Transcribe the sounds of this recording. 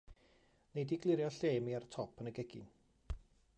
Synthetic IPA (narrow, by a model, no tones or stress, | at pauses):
nejdiɡlˠɪɾjɔɬeːmiartʰɔpʰənəɡɛɡɪ̰n